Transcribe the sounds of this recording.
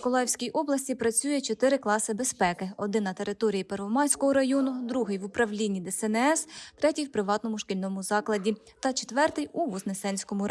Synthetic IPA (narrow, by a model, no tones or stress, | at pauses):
kɔlˠɑjwsʲkʲijʔɔblˠɐsʲtʲipɾɐt͡sʲujɛt͡ʃɔt̪ɪɾɪklˠɑsɪbespɛkɪɔd̪ɪnːɐt̪e̞ɾɪt̪ɔɾʲijipɛɾʋɔmɑjsʲkɔɦɔɾɐjɔnʊd̪ɾuɦɪjʋʊpɾɐʋlʲinʲːid̪ɛsɛnɛɛst̪ɾɛtʲijwpɾɪʋɑt̪nɔmʊʃkɪlʲnɔmʊzɑklˠɐdʲi | t̪ɐt͡ʃet̪ʋɛrt̪ɪjuʋɔznesɛnʲsʲkɔmʊɾ